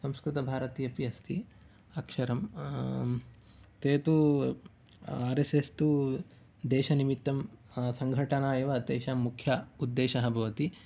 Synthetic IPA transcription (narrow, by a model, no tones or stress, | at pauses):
sɐmskɾit̪ɐbʱaːɾɐt̪ijɐpiɐst̪ʰḭ | ɐkʂɐɾɐm | t̪eːt̪u | aːɾesest̪u | d̪ɛːʃɐnimit̪ːɐm | sɐŋɡʱɐʈɐnaːjeʋɐt̪eːʃɐmukʰjɐud̪ːeːʃɐɦɐbʱɐʋɐt̪i